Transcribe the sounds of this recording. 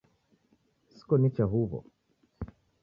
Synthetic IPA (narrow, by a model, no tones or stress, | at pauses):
si̥kɔnit͡ʃaɦuβɔ̰